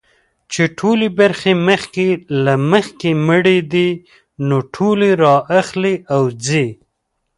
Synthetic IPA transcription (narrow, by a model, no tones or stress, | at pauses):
t͡ʃeʈʰolebaɾxeməxkelaməxkeməɽed̪i | noʈʰoleɾɑʔaxleʔawd͡ze